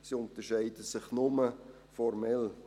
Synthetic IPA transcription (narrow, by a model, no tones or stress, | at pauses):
siʊntəʃɛɪdəsɪχnʊmə | fɔɾmɛl